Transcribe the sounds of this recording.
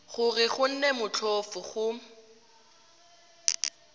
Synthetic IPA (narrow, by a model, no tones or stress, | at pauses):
χʊrɪχʊn̩nemʊt͡ɬʰofʊχʊ